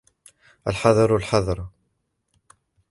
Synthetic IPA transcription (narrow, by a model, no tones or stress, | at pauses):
əlħɑðˤɑɾˤʊlħɑðˤɑɾˤ